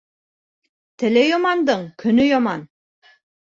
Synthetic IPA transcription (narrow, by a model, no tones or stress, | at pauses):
t̪ʰɘ̆lejɒmɑnd̪ɤɴkʰɵ̆nɵjɒmɑn